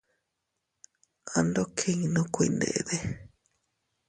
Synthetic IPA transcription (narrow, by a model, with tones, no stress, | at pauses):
a˧nd̪o˦kʰe˦ŋ˧nõ˦kʷi˧˨˧nd̪ḛ˨ʔḛ˧ðe˦